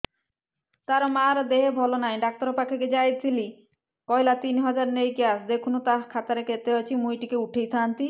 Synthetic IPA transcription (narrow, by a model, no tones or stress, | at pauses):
t̪aɾmaɾd̪eɦebʱɔlonajɖak̚t̪ɔɾopakʰeked͡ʑajt͡ɕʰili | kɔjlat̪inɦɔd͡ʑaɾnejkiasd̪ekʰunot̪aɦkʰat̪aɾekeɾt̪eɦajt͡ɕʰimujʈikeuʈʰejt̪ʰant̪i